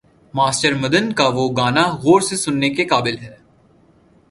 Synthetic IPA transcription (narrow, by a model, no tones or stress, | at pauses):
maːsʈəɾmɐd̪ənkaʋoɡaːnaɣoːɾsesʊnːekekaːbɪlɦɛː